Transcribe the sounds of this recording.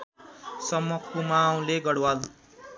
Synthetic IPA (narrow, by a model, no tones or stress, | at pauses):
sʌmːʌkʰːomaw̃leɡʌɽwal